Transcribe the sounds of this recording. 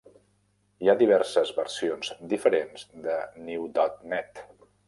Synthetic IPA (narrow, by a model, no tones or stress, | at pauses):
iad̪iβ̞ɛɾsəzβərsionzd̪ifəɾenzd̪əniwd̪ɔt̪nɛt̪